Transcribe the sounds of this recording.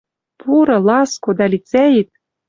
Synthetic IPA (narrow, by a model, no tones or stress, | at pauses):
pʰuɾɤ̆lɑskod̪ɑlʲit͡sæjit̪̚